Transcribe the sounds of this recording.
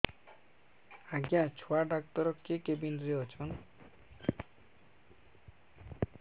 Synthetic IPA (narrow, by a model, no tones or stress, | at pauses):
aɡjãt͡ɕʰoaɖakt̪ɔɾɔkːekebinɾeɔt͡ɕʰɔn